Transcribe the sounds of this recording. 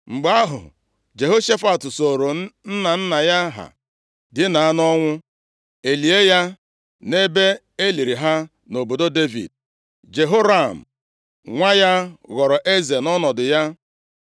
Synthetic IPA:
ŋ͡m̩˨ɡ͡ba˦ɦʊ̰˨ | d͡ʒe˨ɦo˦ʃe˦fa˨tʊ˨so˨ɾo˨n̩˦na˨n̩˦na˨ja˦ɦa̰˨ | dɪ˦na˨a˦nɔ˦ŋʷʊ˦ | e˨li˨e˦ja˦ | ne˦be˦ | e˦li˨ɾi˨ɦa˦ | no˨bo˨do˦de˦vḭ˨d̚ | d͡ʒe˨ɦo˦ɾa˦˨m̩˨ | ŋʷa˦ja˦ɣɔ˨ɾɔ˨ʔe˦ze˨nɔ˦nɔ˨dʊ˨ja˦

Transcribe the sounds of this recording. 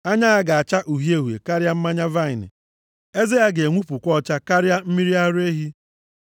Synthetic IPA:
a˦ɲa˦a˦ɡa˨a˨t͡ʃa˦ʔu˨ɦi˦e˦ɦwḛ˨ka˦ɾja˦m̩˦ma˦ɲa˦va˦˨ɪ˨nɪ̰˨ | e˦ze˦ja˦ɡe˨ŋʷu˦pu˨kʷɔ˦t͡ʃa˦ka˦ɾja˦m̩˦mi˦ɾi˦a˦ɾe˦ɦi˦

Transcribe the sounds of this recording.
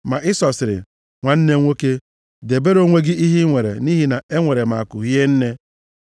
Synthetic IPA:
ma˨ʔɪ˦sɔ˨sɪ˨ɾɪ̰˨ | ŋʷa˨n̩˦ne˦ŋʷo˦ke˦ | de˨be˦ɾo˦ŋʷe˦ɡɪ˦i˦ɦi˦ŋʷe˨ɾḛ˨ni˦ɦi˦na˨e˦ŋʷe˨ɾe˨ma̰˨a˨kʊ˨ɦi˦e˦n̩˦ne˦

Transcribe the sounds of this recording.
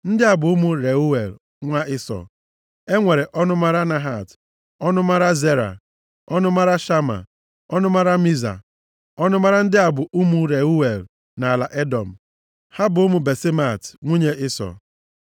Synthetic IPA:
n̩˦dɪ˦a˨bʊ˨ʊ˦mu˦ɾe˨u˦we˨l | ŋʷa˦ɪ˦sɔ̰˨ | e˦ŋʷe˨ɾe˨ʔɔ˦nʊ˦ma˦ɾa˦na˨ɦa˨t | ɔ˦nʊ˦ma˦ɾa˦ze˦ɾa̰˨ | ɔ˦nʊ˦ma˦ɾa˦ʃa˦ma̰˨ | ɔ˦nʊ˦ma˦ɾa˦mi˦za̰˨ | ɔ˦nʊ˦ma˦ɾa˦n̩˦dɪ˦a˨bʊ˨ʔu˦mu˦ɾe˨u˦we˨l | na˨la˨ʔe˦dɔ˨m̩˨ | ha˦bʊ˨ʊ˦mu˨be˨sɪ˦ma˨tŋʷu˦ɲe˦ʔɪ˦sɔ̰˨

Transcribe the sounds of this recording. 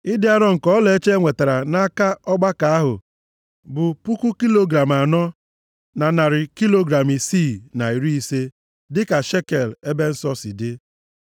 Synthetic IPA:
ɪ˦dɪ˦a˦ɾɔ˦ŋ̩˨kɔ˦le˨e˦t͡ʃe˦ŋʷe˨ta˨ɾa˨na˦ka˦ɔ˦ɡ͡ba˦ka˨a˦ɦʊ˨ | bʊ˨pu˦ku˦ki˦lo˦ɡɾa˨m˨a˨nɔ˦ | na˨na˨ɾɪ˨ki˦lo˦ɡɾa˨mi˨si˦˨na˨i˨ɾi˦i˦se˦ | dɪ˦ka˨ʃe˦ke˨le˦be˦n̩˦sɔ˦sɪ˨dɪ˦

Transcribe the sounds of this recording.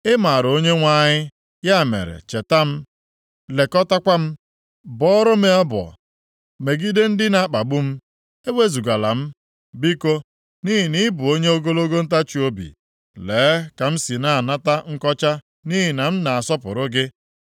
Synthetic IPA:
ɪ˦ma˨ɾo˦ɲe˦ŋʷa˦˨ɲɪ˦ | ja˦˨mḛ˨ɾḛ˨t͡ʃe˨ta˦m̩˦ | le˨kɔ˦ta˦kʷa˦m̩˦ | bɔ˦ɾɔ˦me˨ɔ˦bɔ̰˨ | me˨ɡi˦de˦n̩˦dɪ˦na˨˦k͡pa˨bʊ˦m̩˦ | e˦we˦zu˨ɡa˨la̰˨m̩˦ | bi˦ko˦ | ni˦ɦi˨ni˦bʊ˨o˦ɲe˦o˦ɡo˦lo˦ɡo˦n̩˦ta˦t͡ʃi˨o˦bḭ˨ | leː˨˦ka˨m̩˦si˨na˦a˨na˦ta˦ŋ̩˦kɔ˦t͡ʃa˦ | ni˦ɦi˨na˨m̩˦na˨a˨sɔ˦pʊ̰˨ɾʊ˦ɡɪ˦

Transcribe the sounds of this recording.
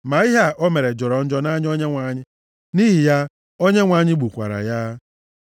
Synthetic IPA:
ma˨i˦ɦa˦ʔɔ˦me˨ɾe˨d͡ʒɔ˨ɾɔ˨n̩˦d͡ʒɔ˦na˦ɲ˦o˦ɲe˦ŋʷa˨˦ɲɪ˦ | ni˦ɦi˨ja˦ | o˦ɲe˦ŋʷa˨˦ɲɪ˦ɡ͡bu˨kʷa̰˨ɾa̰˨ja˦

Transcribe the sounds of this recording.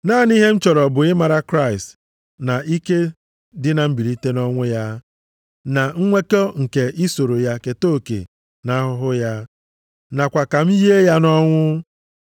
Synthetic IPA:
na˦˨ni˦ɦe˦n̩˦t͡ʃɔ˨ɾɔ˨bʊ˨ɪ˦ma˨ɾa˦kɾa˦˨ɪ˨st | na˨ʔi˦ke˦ | dɪ˦na˨m̩˦bi˨ɾi˦te˦nɔ˦ŋʷʊ˦ja˦ | na˨ŋ̩˦ŋʷe˦ko˦ŋ̩˨ke˨ʔɪ˦so˨ɾo˨ja˦ke˨to˦˨kḛ˨ | na˦ɦʊ˦ɦʊ˦ja˦ | na˨kʷa˨ka˨m̩˦je˦ja˦nɔ˦ŋʷʊ˦

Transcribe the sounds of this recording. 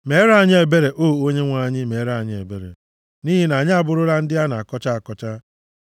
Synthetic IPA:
me˨˦ɾa˦˨ɲ˦e˨be˦ɾe˨ʔo˦˨o˦ɲe˦ŋʷa˨ɲɪ˦me˨˦ɾa˦˨ɲɪ˦e˨be˨ɾḛ˨ | ni˦ɦi˦na˨ɲɪ˦a˨bʊ˦ɾʊ˦ɾa˦n̩˦dɪ˦a˦na̰˨a˨kɔ˦t͡ʃa˦˨a˨kɔ˦t͡ʃa˦

